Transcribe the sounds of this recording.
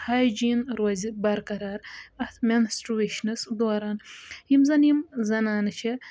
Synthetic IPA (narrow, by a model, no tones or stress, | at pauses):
hajd͡ʒinɾɐzibɐɾkɐɾaːɾɐt̪ʰmensʈɾueʃnɨsd̪oːɾanhimzɐnimzɐnaːnɨt͡ʃʰi